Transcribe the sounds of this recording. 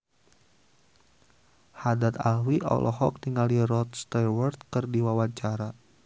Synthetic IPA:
hadat̪a̰lwiʔɔ̰lʔɔ̰ɦɔ̰k̚niŋaliɾɔt̪̚st̪ɛwərt̪̚kərdiwawaɲt͡ʃaɾa

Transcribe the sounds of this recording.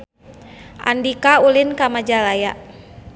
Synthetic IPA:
ʔa̰ndikaulinkamad͡ʒalaja

